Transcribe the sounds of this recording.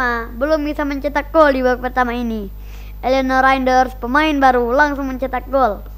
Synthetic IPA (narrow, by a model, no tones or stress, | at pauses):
abəlʊmbisaməɲt͡ʃit̪ak̚ɡɔldibak̚pərt̪amaini | ʔɛliɔnaɾaindərspəmaɪnbaɾulaŋsʊŋməɲt͡ʃit̪ak̚ɡɔl